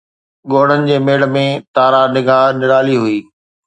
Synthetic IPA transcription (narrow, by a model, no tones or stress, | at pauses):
ɠoːɽ̤ənɪ̆d͡ʑeːmeːɽmẽt̪aːɾanɪɡaːɦnɪɾaːliɦʊiː